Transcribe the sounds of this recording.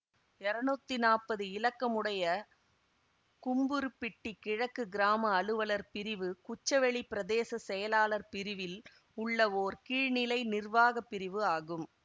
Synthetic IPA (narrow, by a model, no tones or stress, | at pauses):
ɛɾɐnɯt̪ːinaːpɐðɯɪlɐkːɐmɯɽɐjɐ | kʊmbɯɾɯpːɪʈːikɪɻɐkːɯɡɪɾaːmɐːɭɯʋɐlɐɾpɪɾɪʋɯkʊt͡ʃːɐʋɛɭipɪɾɐðeːsɐsɛjɐlaːlɐɾpɪɾɪʋɪl | ʊɭːɐoːɾkiːɻnɪlɐɪnɪrʋaːɣɐpːɪɾɪʋɯaːɣɯm